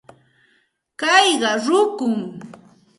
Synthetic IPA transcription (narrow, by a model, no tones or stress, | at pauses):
kɑjɢɑɾʊkʊŋ